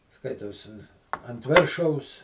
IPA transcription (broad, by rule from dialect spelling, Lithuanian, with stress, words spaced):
ˈskɐɪtoːs ɐnt ˈʋʲeːrʃɐʊs